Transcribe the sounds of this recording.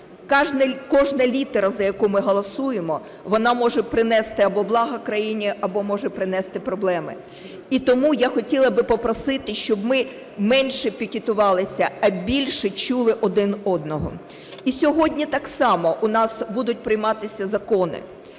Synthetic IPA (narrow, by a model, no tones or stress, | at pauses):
kʒkɔʒnɐlʲit̪ɛɾɐzɐjɐkumɪɦɔlˠɔsujemɔ | ʋɔnɑmɔʒɛpɾɪnɛst̪ɪɐbɔblˠɑɦɐkɾɐjinʲiʔɐbɔmɔʒɛpɾɪnɛst̪ɪpɾɔblˠɛmɪ̰ | it̪ɔmujaxɔtʲilˠɐbɪpɔpɾɔsɪt̪ɪʃt͡ʃɔbmɪ | mɛnʲʃɛpʲikʲɪt̪ʊʋɑlˠɪsʲɐɐbʲilʲʃɛt͡ʃulˠɪʔɔd̪ɪnɔd̪nɔɦɔ̰ | isʲɔɦɔdʲnʲit̪ɑksɑmɔʔunɑsbud̪ʊt̚ʲpɾɪjmɑt̪ɪsʲɐzɐkɔnɪ̰